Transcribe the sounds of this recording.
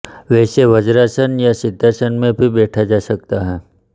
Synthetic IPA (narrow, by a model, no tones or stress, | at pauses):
ʋɛːseʋəd͡ʒɾasənjasɪd̪ʱːasənmẽbʱibɛːʈʰad͡ʒaːsɐk̚t̪aɦɛː